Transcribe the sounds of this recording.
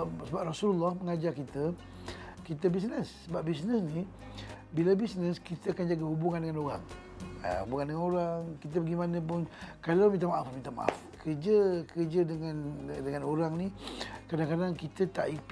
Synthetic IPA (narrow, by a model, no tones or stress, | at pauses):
səbap̚rasululːɔhməŋad͡ʒarkit̪ə | kit̪əbisnəsːəbap̚bisnəsni | bilabisnəskit̪əakand͡ʒaɡəɦubuŋandəŋanoɾa̰ŋ̰ | hubuŋandəŋanoɾaŋkit̪̬əbəɡimanə̃p̬ʊnkalawmint̪amaʔafmĩnt̪ama̰ʔa̰fkʰəd͡ʒəkərd͡ʒədəŋandəŋanoɾaŋnikɾadaŋkadaŋkit̪ət̪aʔip